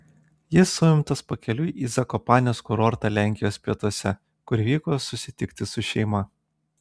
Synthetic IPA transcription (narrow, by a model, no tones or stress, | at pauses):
jɪsʊɪmt̪ɐspɐkʲɛlʲʊjʔiːzɐkɔpɑːnʲoːskʊɾɔɾt̪ɐlʲæˑŋʲkʲɪjoːsʲpʲiɛt̪uɔsʲɛ | kʊɾʲʋʲiːkoːsʊsʲɪt̪ʲɪkt̪ʲɪsʊʃʲɛɪmɐ